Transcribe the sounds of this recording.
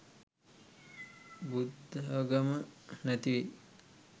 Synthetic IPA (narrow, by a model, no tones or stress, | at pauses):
bud̪ʱɦəɡəmənæt̪iʋe